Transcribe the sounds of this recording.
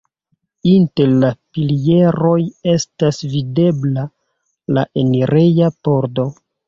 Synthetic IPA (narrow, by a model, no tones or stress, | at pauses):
inte̞ɾlapilje̞ɾo̞je̞stasvide̞bla | la̰ʔeniɾejapo̞ɾdo̞